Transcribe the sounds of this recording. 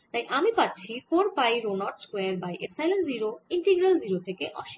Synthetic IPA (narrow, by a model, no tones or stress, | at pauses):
t̪ajʔamipatːɕʰifoɾpajɾonɔʈskweaɾbajʔesajlenziɾoiɳʈeɡɾelziɾot̪ʰekeʔɔ̰ʃi̥